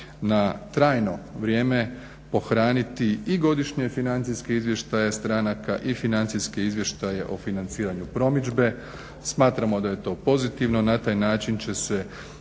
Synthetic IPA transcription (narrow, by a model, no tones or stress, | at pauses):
nat̪ɾaːjno̞ʋɾje̞ːme̞ | po̞xɾaːnit̪iiɡo̞d̪iʃɲe̞finant̪siske̞izʋje̞ʃt̪aje̞st̪ɾanakaʔifinant̪sijske̞izʋje̞ʃt̪ajeʔofinant̪siːɾaɲupɾo̞mid͡ʒbe̞ | smaːt̪ɾamo̞d̪aje̞t̪o̞ːpo̞zit̪iʋno̞nat̪aːjnaːt͡ʃint͡ɕe̞se̞